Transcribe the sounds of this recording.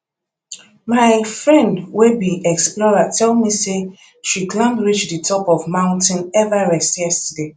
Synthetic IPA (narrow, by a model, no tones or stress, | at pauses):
maɪfɹɛ̃ndwebiɛksplɔɹatʰɛlmise | ʃiklãmdɹit͡ʃdɨtʰɔpɔvmãʊ̃ntɪ̃nɛvaɹɛstjɛstəde